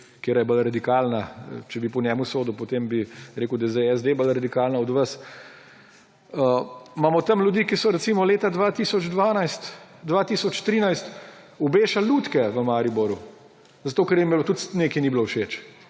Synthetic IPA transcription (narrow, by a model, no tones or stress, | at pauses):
kjeːɾajɛbəlɾad̪ikalnat͡ʃɛbipɔnɛːmusoːd̪upɔt̪embiɾeːkud̪ɐejzeɛzd̪ebəlɾad̪ikalnaɔd̪ʋəs | əmamɔt̪ɐmljud̪ikisɔɾɛt̪simɔleːt̪ad̪ʋat̪iːsɔd͡ʒd̪ʋaːnajst̪d̪ʋaːt̪isɔt͡ʃt̪ɾiːnajst̪ | ɔbeːʃallːuːt̪kɛʋəmaːɾibɔɾu | zat̪oːkɛɾjimbilot̪ut̪neːkiniblowʃet͡ʃ